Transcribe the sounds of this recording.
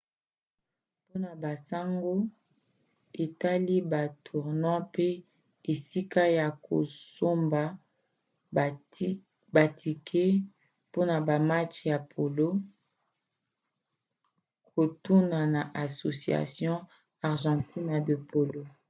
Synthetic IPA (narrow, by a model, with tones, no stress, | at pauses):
po˦na˨ba˨sa˦ŋɡo˦ | e˨ta˦li˦ba˨tʰu˨ʁnã˦pe˦ | e˨si˦ka˦ja˨ko̰˨so˦mba˨ | ba˨tʰi˨kʰe˦ | po˦na˨ba˨ma˦t͡ʃja˨pʰo˨lo˦ | kʰo˨tu˦na˨na˨ʔa˨so˨si˨a̰˨sjɔ̃˦ | a˨ʁʒɑ̃˨tʰi˦na˨də˨pʰo˨lo˦